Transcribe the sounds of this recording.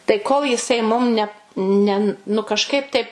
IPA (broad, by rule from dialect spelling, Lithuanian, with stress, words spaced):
tɐɪ koːlˠ jɪˈsɐɪ mʊm nʲɛ ˈnʲɛ nʊ kɐʃˈkɐɪp tɐɪp